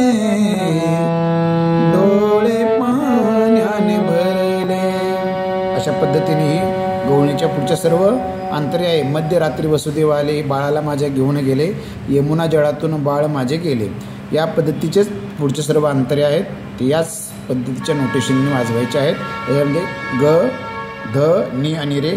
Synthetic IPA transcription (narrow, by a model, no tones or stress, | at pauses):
d̪oɭepanianebʱəɾile | əɕapəd̪ʱːət̪ineɦiː | ɡəwɳet͡ɕjapuɽt͡ɕəsəɾʋə | ant̪əɾiaɦeməd̪ʱjəɾat̪ɾiːʋəsud̪eʋalebaɭalamad͡ʑʱaɡʱeunɡele | jemunad͡ʑəɭat̪uːnbaɭmad͡ʑʱeɡele | japəd̪ːət̪it͡ɕe | puɽt͡ɕəsəɾʋəant̪əɾeaɦet̪ː | jat͡s | pəd̪ʱːət̪it͡ɕjanoʈisinnːiad͡zʋajt͡ɕeaɦet̪ːat͡ɕaməd̪ʱːeɡə | d̪ʱəniañiɾe